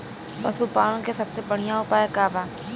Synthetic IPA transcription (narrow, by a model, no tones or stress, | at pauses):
pɐ̰supãːkesɐbsebəɽ̤ijãʊpaːjakaːbaː